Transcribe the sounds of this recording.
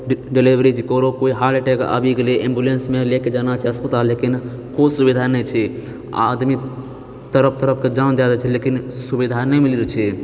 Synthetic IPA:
ɖɖelibɾit͡ʃʰikɔɾokoiɦaɖeʈɛkə̰bʱiɡeleʔembulensmeleked͡ʒanat͡ʃʰɛɦəspət̪alːekin | kosubid̪ʱanɛt͡ʃʰɛ | a̰d̪mi | t̪əɾəp̚ʰt̪əɾəp̚ʰked͡ʒand̪jad̪at͡ʃʰɛlekinsubid̪ʱanɛmiliɾt͡ʃʰɛ

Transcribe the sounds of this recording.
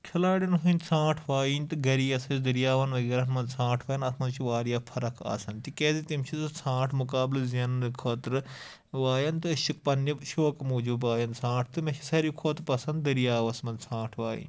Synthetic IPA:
kʰɐlaːɽʲɐnɦunsʰãːʈʰʋaːjiːnʲt̪ɨɡɐɾiːɐsɐt͡ʃd̪ɐɾijaːʋɐnʋɐɡeːɾɐmɐnd̪sʰãːʈʰʋɐːjɐnɐsʰmɐnt͡ʃʰiʋaːɾjaːpʰɐɾɐkʰa̰ːsɐnt̪ikeːzit̪imt͡ʃʰiɨsʰãːʈʰmʊkaːblzɐnkʰot̪ɾɨ | ʋaːjɐnt̪ɨʃik̚pɐnːɐʃoːkmuːd͡ʒubaːjɐnsʰãːʈ̚ʰt̪ɨmɐʃʰi̥sɐɾikʰoːt̪ɾpɐsɐnd̪̚d̪ɐɾijaːʋɐsmɐnsʰãːʈʰʋaːjḭːnʲ

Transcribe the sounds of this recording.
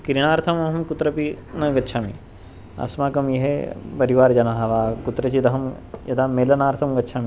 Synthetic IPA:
kɾiɽ̃aːɾt̪ʰɐmɐɦɐmkʊt̪ɾɐpinɐɡɐtːʃʰaːmḭ | ɐ̰smaːkɐmjeɦepɐɾiʋaːɾd͡ʒɐnaːɦɐʋaːkʊt̪ɾɐt͡ʃid̪ɐɦɐm | jɐd̪ameːlɐnaːɾt̪ʰɐmɡɐtːʃʰaːmi

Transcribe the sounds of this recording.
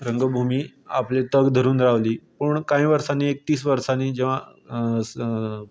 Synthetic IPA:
ɾəŋɡəbʱumiː | aplet̪əɡd̪ʱəɾuːnɾaʋliːpəɳkãɦĩʋəɾsaniːek̚t̪iːs̬ʋəɾsaniːd͡ʑeʋ̤a

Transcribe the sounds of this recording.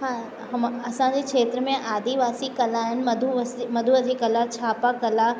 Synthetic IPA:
ɦãː | ɦɐmɐsãd͡ʑekʰʂeːt̪ɾəmẽʔaːd̪ʱiʋaːsikɐlaɦɪnɪ̆mɐd̪ʱusmɐd̪ʱuəd̪ʱikɐlat͡ɕʰaːpakɐla

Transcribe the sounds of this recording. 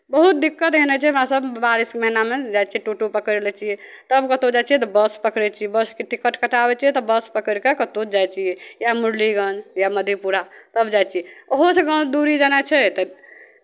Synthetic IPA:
bəɦut̪̚d̪ikːət̪ɦenɛt͡ʃʰɛmãsəbbaɾiskməɦinamed͡ʒajt͡ʃʰiɛʈoʈopəkəɾɾelɛt͡ʃʰijɛt̪əbkət̪od͡ʒajt͡ʃʰijɛt̪ɔbəspəkɾɛt͡ʃʰiɛbəskeʈikəʈkəʈabɛt͡ʃʰijɛt̪ɔbəspəkəɾkekət̪od͡ʒajt͡ʃʰijɛjamuɽliɡə̃nd͡ʒjaməd̪ʱjepuɾat̪əbd͡ʒajt͡ʃʰiɛoɦosʰeɡə̃d̪uɾid͡ʒənat͡ʃʰɛt̪ə

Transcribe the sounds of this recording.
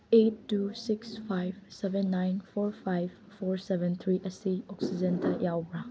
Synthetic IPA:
etːusiksfajvsɛvɛ̃nːãjnfɔɹfajv | fɔɹsɛvɛ̃nt̪ʰɾiʔəsiɔksid͡ʒɛ̃ntʰajawbɾa

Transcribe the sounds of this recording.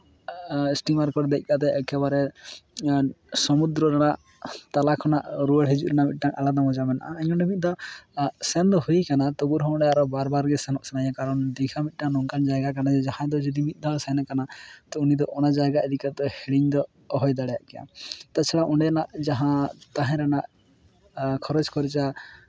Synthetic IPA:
sʈimaɾkɔɾd̪ɛc̚ˀkat̪ɛkɛβaɾɛ | sɔmud̪ɾɔɾaɽaʔ | t̪alakʰɔnaʔɾuɛɽɦid͡ʒṵʔɾɛnamit̪̚ˀʈaŋalad̪amɔd͡ʒamɛna̰ʔaɛɲɔɳɖɛmit̪̚d̪ɔ | sɛnd̪ɔhujkanat̪ɔɡuɾɦɔɔɳɛaɾɔbaɾbaɾɡɛsɛnɔʔsɛnaɲãkaɾɔnd̪ikʰamit̪̚ˀʈaŋnɔŋkand͡ʒajɡakanad͡ʒɛd͡ʒahãd̪ɔd͡ʒɔd̪imit̪̚ˀd̪ʱasajnakanat̪ɔunid̪ɔʔɔnad͡ʒajɡaɛd̪ikat̪ɔhɛɽiɲd̪ɔ | ɔɦɔjd̪aɽɛja̰ʔkɛjã̰t̪at͡ʃʰɛɽaʔɔɳɖɛnaʔd͡ʒaɦãt̪aɦɛ̃ɾanaʔ | kʰɔɾɔd͡ʒkɔɾit͡ʃa

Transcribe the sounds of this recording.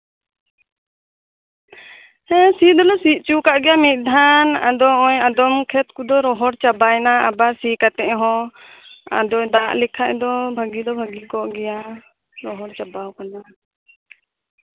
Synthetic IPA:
hɛ̃sid̪ɔlɔsiʔ̪̚t͡ʃukaʔɡɛjamit̪̚ˀd̪ʱana̰d̪ɔɔjad̪ɔmkʰɛt̪̚kud̪ɔɾɔɦɔɾt͡ʃabajnaa̰basikat̪ɛʔɦɔ̃ | a̰d̪ɔd̪aʔlɛkʰaʔd̪ɔbʱaɡid̪ɔbʱaɡikɔʔɡɛja | ɾɔɦɔɾt͡ʃabawkana

